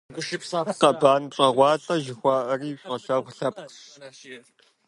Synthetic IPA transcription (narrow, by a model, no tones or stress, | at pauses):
ɡʷʊʃpːqɐbaːnɕʼɐʁʷɑːɬʼɐʒɪxʷɑːʔɐriːɕʷʼʁɐɬɐʁʷɬɐp̚